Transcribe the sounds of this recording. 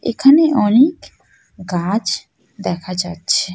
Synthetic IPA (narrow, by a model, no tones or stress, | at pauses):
ḛkʰaneʔɔnik | ɡad͡ʒ | d̪ɛkʰad͡ʒatːʃʰe